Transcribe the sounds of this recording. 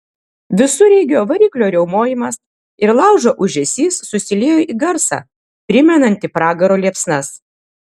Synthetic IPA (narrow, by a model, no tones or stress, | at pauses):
ʋʲɪsʊɾʲɛɪɡʲoːʋɐɾʲiːklʲoːɾʲɛʊmoːjɪmɐs | ɪɾlˠɑʊʒoːʔʊʒʲɛsʲiːsːʊsʲɪlʲeːjoʔiːɡɐɾsɑ̰ː | pʲɾʲɪmʲɛnɐnʲt̪ʲɪpɾɑːɡɐɾoːlʲiɛpsnɐs